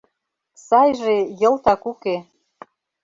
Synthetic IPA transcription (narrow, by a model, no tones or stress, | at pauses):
sɑjʒejɤ̆lt̪ɑkuke